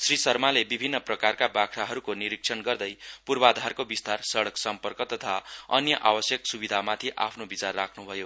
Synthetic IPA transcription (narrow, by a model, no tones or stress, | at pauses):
srisʌrmalebibʱinːʌprʌkarkabakʰɾaɦʌɾukoniɾik̚sʰʌnɡʌrd̪ʌjpurbad̪ʱarkobist̪arsʌɽʌksʌmpʌrkʌt̪ʌt̪ʰaʌnjʌʔawʌsjʌksubid̪ʱamat̪ʰiʔa̰pʰnobit͡sarːakʰnubʱʌjo